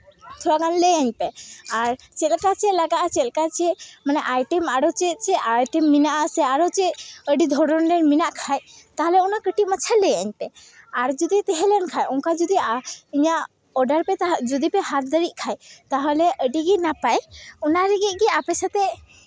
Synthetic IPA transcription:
t̪ʰɔɾakanlɛjaɲpɛaɾ | t͡ʃɛlkat͡ʃɛlaɡaʔat͡ʃɛlkat͡ʃɛmanɛʔajʈɛmaɾɔt͡ʃɛt͡ʃɛajʈɛmːinaʔəsɛaɾɔt͡ʃɛəɖid̪ʱɔɽɔnɾɛɾminaʔkʰajt̪aɦlɛɔnakəʈiʔmat͡ʃʰalɛjaɲpɛ | aɾd͡ʒɔd̪it̪ɛɦɛlɛnkʰajɔŋkad͡ʒɔd̪iiɲaʔ | ɔɖəɾpɛt̪ad͡ʒɔd̪ipɛɦat̪̚d̪əɾic̪̚ˀkʰajt̪aɦɔlɛʔəɖiɡinapajɔnaɾɛɡiʔ̚ˀɡiapɛsat̪ɛ

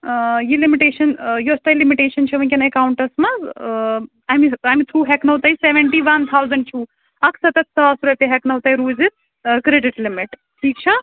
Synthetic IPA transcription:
jilimiʈeːʃɐnjost̪ajlimiʈeːʃɐnt͡ʃʰɐʋɐ̃nʲkʲɐnekaːwʊɳʈɐɾsmã | amiajmit̪ʰɾuːɦɛknɐwt̪ɐiseʋẽɳʈiʋɐnt̪ʰawzɐ̃ɳɖ̚t͡ʃʰuː | ɐkʰsɐt̪ɐt̪̚sɐʋaːsuɾet̪eɦɛknɐwt̪ɐiɾuːzit | kɾeɖɪʈlimɪʈ | ʈʰiːk̚t͡ʃʰã

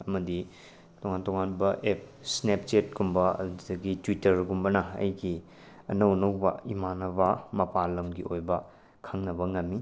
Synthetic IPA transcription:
ɐmɐdi | toŋantoŋanbɐʔep̚snep̚t͡ʃet̚ɡumbɐdɐɡitwitɐɾɡumbɐnɐɐ̰jɡi | ɐ̰nɐwnɐwbɐ̰imanɐβɐmɐpalɐmɡiojbɐ | kʰɐŋnɐbɐŋɐmːi

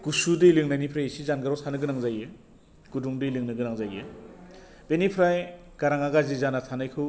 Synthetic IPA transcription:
ɡ̥usudɯlɯŋnajnipʰɾajsizanɡɯɾɔsʰanɯɡɯnaŋzajɯ | ɡ̥uduŋdɯjlɯŋnɯɡɯnaŋzajɯ | b̥enipʰɾaj | ɡ̥aɾaŋaɡazizanatʰanajkʰɯw

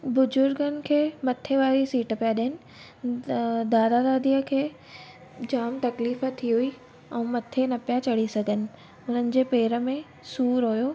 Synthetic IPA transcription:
bʊzʊɾɡənɪ̆kʰeːmɐt̪ʰeʋaːɾisiːʈpijaɗiənɪ̆ | d̪aːɾaɾaːd̪ijəkʰeː | d͡ʑaːmt̪ɐkliːfət̪ʰːiɦʊi | ɛ̃ːmɐt̪ʰenɐpijat͡ɕɐɽ̤isɐɡʱənɪ̆ | ʊn̤ənɪ̆d͡ʑeːpeːɾə̆mẽ | suːɾɦʊjoː

